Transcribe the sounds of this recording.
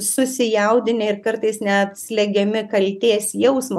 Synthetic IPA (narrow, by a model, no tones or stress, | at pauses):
sʊsʲɪjɛʊd̪ʲɪnʲɛɪɾkɐɾt̪ɐɪsnʲɛɐt̪ʲsʲlʲɛɡʲɛmʲɪkɐlʲt̪ʲeːsjɛʊsmɐ